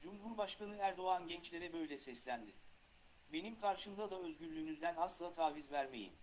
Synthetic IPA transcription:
d͡ʒumɦuɾbaʃkanɯæɾd̪o̞anɟɛnt͡ʃlʲe̞ɾɛbø̞jlʲɛsɛslʲænd̪ɪ | be̞nimkʰaɾʃɯmd̪ad̪aøzɟyɾlʲyːnyzd̪ænaslˠaːt̪ʰaːvizvæɾmejḭm

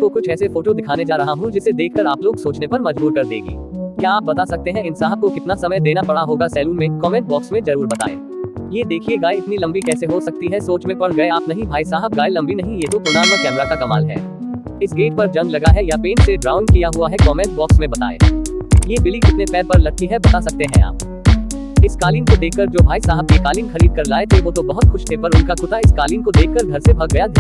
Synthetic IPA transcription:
kokʊt͡ʃʰɛːsefoːʈod̪ɪkʰaːned͡ʒaːɾɐɦaɦũd͡ʒɪsed̪eːkʰkɐɾaːploːɡsoːt͡ʃnepɐɾmɐd͡ʒbuːɾkɐɾd̪ḛːɡḭːjaaːp̚bɐt̪aːsɐk̚t̪eɦɛ̃ɪnsaːɦəb̚kokɪt̪nasɐməjd̪eːnapɐɽaɦoːɡasɛːlũːmẽkɔːmɛ̃ɳʈ̚bɔːksmẽzɐɾuːɾbɐt̪a̰ːḛ̃ː | jeːd̪eːkʰieɡaːjɪt̪nilɐ̃mbikɛːseɦosɐk̚t̪iɦɛsoːt͡ʃmẽpɐɽɡɐeaːpnɐɦĩbʱaːisaːɦɪb̚ɡaːjlɐ̃mbinɐɦĩjeːt̪opʊnaːmmẽkɛːmɾakakɐmaːlɦɛ̰ː | ɪsɡeːʈpɐɾd͡ʒɐ̃ŋɡlɐɡaɦɛjapeːnʈseɖɾaːʊnkijaɦuaɦɛkɔːmɛ̃ːʈ̚bɔːksmẽbɐt̪a̰ːḛːjeːbɪlikɪt̪nepɛːɾpɐɾlɐk̚kʰːiɦɛbɐt̪asɐk̚t̪eɦɛ̃a̰ːp̚ | ɪskaːliːnkod̪eːkʰːəɾd͡ʒoːbʱaːisaːɦɪb̚kekaːliːnxɐɾiːd̪̚kɐɾlaːet̪ʰeʋoːt̪obɐɦʊt̪xʊʃt̪ʰeːpɐɾʊnkakʊt̪aɪskaːliːnkod̪eːkʰːɐɾɡʱɐɾsebʱɐɡ̚ɡɐjad̪

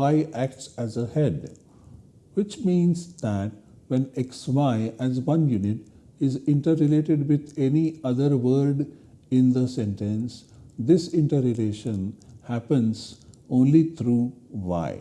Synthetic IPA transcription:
aɪʔæk̚ʈsæzəhɛɖ | ʋɪt͡ʃmĩːnsd̪æʈ̚ | ʋɛ̃neksʋaɪæzʋʌ̃njunɪʈ | ɪzɪ̃ɳʈəɾɾɪleːʈeɖʋɪd̪eniʌd̪əɾʋəɾɖɪ̃nd̪əsẽnʈẽnsd̪ɪsɪ̃ɳʈəɾɪleːʃə̃nhæpə̃nzʔõːnlit̪ʰɾuːʋa̰ɪ

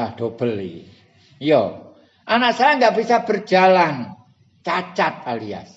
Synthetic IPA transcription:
ahd̥ob̥əli | jo | ʔanaksaɾaŋɡaʔbisab̥ərd͡ʒalan | t͡ʃat͡ʃat̪̚alia̰s

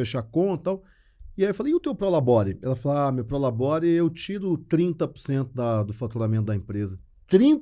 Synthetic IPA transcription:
eʃakõt̪ãw̃ | iajiewfalejʊt̪ewpɾolabɔɾɪɛlɐfalamewpɾolabɔɾɪewt͡ʃiɾʊt̪ɾĩnt̪ɐpʊ̥ɾsẽnt̪ʊd̪ɐd̪ʊfat̪uɾamẽnt̪ʊd̪ɐẽpɾezɐ | t̪ɾĩt̪

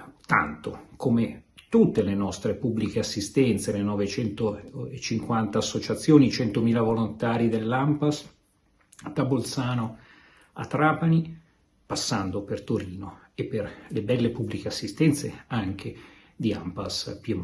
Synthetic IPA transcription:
t̪a̰nt̪okʰomet̪ut̪ːelenɔst̪ɾepubːlikeasːist̪ɛnt̪selenɔvet͡ʃɛnt̪oet͡ʃːiŋkwant̪aːsːot͡ʃat̪sːjoːnit͡ʃɛnt̪omiːlavolont̪aːɾid̪elːampas | t̪abolt̪saːno | a̰t̪ːɾaːpani | pasːand̪opert̪oɾiːno | epːerlebɛlːepubːlikeasːist̪ɛnt̪sḛaŋk̟e | d̪ia̰mpaspjem

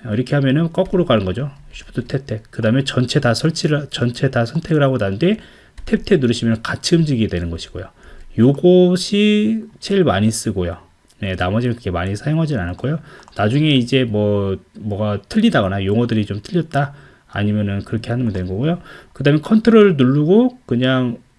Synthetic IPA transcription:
ʌiɾʌkʰe̞ɦamjʌnɯnk͈ʌk͈ɯɾoɡanɯnɡʌd͡ʑoɕʰi̥ptʰotʰe̞p̚tʰe̞kɯdaɯmet͡ɕʌnt͡ɕʰe̞tasʰʌɭt͡ɕʰit͡ɕʌnt͡ɕʰetasʰʌntʰe̞ɡɯɾɦaɡodanɯnde̞ | tʰe̞p̚tʰe̞nuɾɯɕʰimjʌnnkat͡ɕʰɯmd͡ʑiɡidwenɯnɡʌɕʰi̥ɡ̥o̰jo̰joɡoɕʰit͡ɕʰeiɭmaɲis͈ɯɡojo̰ | ne̞namʌd͡ʑinɯnkɯɡe̞maɲisʰajoŋɦad͡ʑinanɯɭk͈ʰojonad͡ʑuŋe̞id͡ʑe̞mwʌmʌɡatʰɯʎːidaɡʌnajoŋʌdɯɾit͡ɕomtʰɯʎːʌt̚t͈a̰ː | ɲimjʌnɯnkɯɾʌkʰe̞hanɯmndwenɯnɡʌɡojokɯdaːɯmekʰʌntʰɯɾoɾɯɭnuɭːuɡokɯɲaŋ

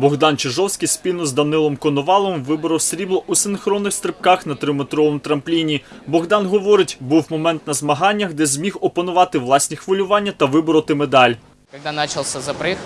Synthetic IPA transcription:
bɔɣd̪ɑnt͡ʃeʒɔwsʲkʲijspʲinʊzd̪ɐnɪlˠɔmkɔnɔʋɑlˠɔmʋɪbɔɾɔwsʲɾʲiblˠɔʔusɪnxɾɔnːɪxst̪ɾɪp̚kɑxnɐt̪ɾɪmet̪ɾɔʋɔmʊt̪ɾɐmplʲinʲibɔɣd̪ɑnɦɔʋɔɾɪtʲbuwmɔmɛnt̪nɐzmɐɦɑnʲːɐɣd̪ɛzʲmʲixɔpɔnʊʋɑt̪ɪʋlˠɑsʲnʲixʋɔlʲʊʋɑnʲːɐt̪ɐʋɪbɔɾɔt̪ɪmed̪ɑlʲ | kɐɡ̚d̪anat͡ʃɐlˠsʲɐzɐpɾɪ

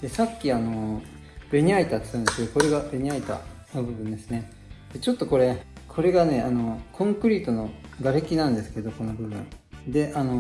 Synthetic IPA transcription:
d̪̥e̞sakʲːiano̞ | be̞ɲ̟iait̪at͡sɨ̥kaɯ̃nd̪esked̪okoɾe̞ɡabe̞ɲ̟iait̪a̰ | no̞bɯ̟bɯ̟̃nd̪e̞sɨne̞ | d̪̥e̞t͡ɕo̞t̪ːoko̞ɾe̞ | kʰo̞ɾe̞ɡane̞ano̞kʰõ̞ŋkɯ̟ɾʲiːt̪o̞no̞ɡaɾekʲinãnd̪e̞sɨ̥ke̞d̪o̞ko̞no̞bɯ̟bɯ̟̰̃nd̪e̞ʔano̞

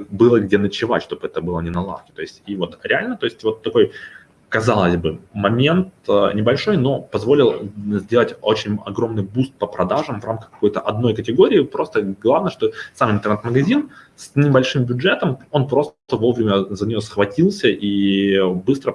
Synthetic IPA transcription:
bɨlˠəɡdʲenət͡ɕɪva̰tʲʂt̪o̞bɨɛt̪əbɨlˠənʲɪnɐlˠa̰fkʲɪ̥t̪o̞ɪsʲtʲivo̞t̪ɾʲɪalʲnət̪o̞ɪsʲtʲvo̞t̪ːɐko̞j | kɐzalˠəzʲbɨmɐmʲe̞nt̪nʲɪbɐlʲʂo̞jno̞pɐzvo̞lʲɪlˠzʲdʲe̞lˠətʲo̞t͡ɕɪnʲɐ̰ɡɾo̞mnɨjbust̪̚pəpɾʔɐd̪aʐɨmvramkə̥xkːɐ̥ko̞jt̪əʔɐd̪no̞jkətʲɪɡo̞ɾʲɪːpɾo̞st̪əɡlˠavnəjəʂt̪osamɪnt̪ərnɛt̪məɡɐzʲin | snʲɪbɐlʲʂɨmbʲʊdʐɛt̪əmo̞npɾo̞st̪əvo̞vɾʲɪmʲəzənʲɪjosxvɐtʲilˠsʲəʔi | bɨst̪ɾə

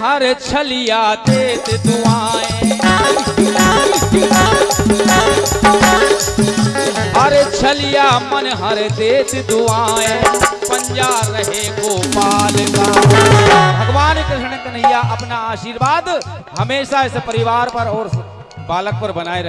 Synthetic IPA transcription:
ɦɐɾt͡ʃʰɐlijaːt̪eːt̪d̪ʊaːẽ | ɦɐɾt͡ʃʰɐlijaːmɐnɦɐɾt̪eːt̪d̪ʊaːẽpɐ̃ɲd͡ʒaːɾɐɦeːkoːpaːlɡaː | bʱɐɡʋaːnkeɐñəkɐnɪjaʔɐpnaaːʃiːɾʋaːd̪ | ɦɐmeːʃaɛsepɐɾɪʋaːɾpɐɾɔːɾ | baːlək̚pɐɾbɐnaːeɾɐ

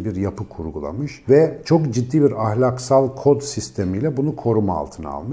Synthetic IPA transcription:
biɾjapɯkʰuɾɡulˠa̰mɯʃvɛt͡ʃʰo̞kd͡ʒid̪ːiːbiɾahlʲaksalˠkʰo̞d̪sist̪ʰemijlʲɛbunukʰo̞ɾumaa̰lˠt̪ʰɯnaa̰lˠmɯ

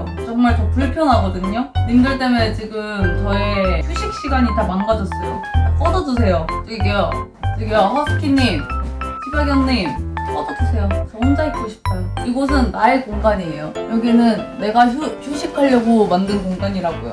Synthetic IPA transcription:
t͡ɕʌŋmaɭtʌpuɭpʰjʌnɦaɡʌdɯɲonimdɯɭt͈e̞met͡ɕiɡɯmt͡ɕʌe̞çʰuɕʰik̚ɕ͈iɡaɲitamanɡad͡ʑʌs͈ʌjo̰ | k͈ʌdʌdus̬ʰe̞jot͡ɕiɡeʌ | t͡ɕiɡeʌhʌsʰɯ̥kʰiɲːimsʰibaɡjʌŋɲimp͈ʌdʌdusʰe̞jot͡ɕʌnd͡ʑaekʰuɕʰi̥kʰajoiɡʌs̬ʰɯnːaekoŋɡaɲiejojʌɡinɯnːe̞ɡauɕʰuɕʰikʰaʎːjʌɡomandɯnkoŋɡaɲiɾaɡojo̰

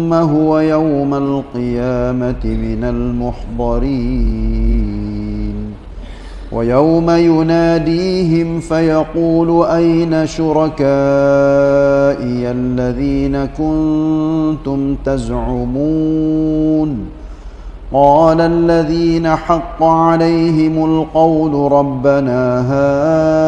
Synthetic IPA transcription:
mːaɦʊwajawmalqɨjaːmat̪ɪmɪnalmʊħd̪ˤɑɾiː | n | wʔa̰jawmajʊnaːd̪iːɦɪmfajɑquːlʊʔajnaʃʊɾˤɑkaː | ʔɪalːaðiːnakʊnt̪ʊmt̪azʕʊmuː | n | qɑːlalːaðiːnaħɑqːʕalajɦɪmalqɑwlʊɾˤɑbːanaːɦaː

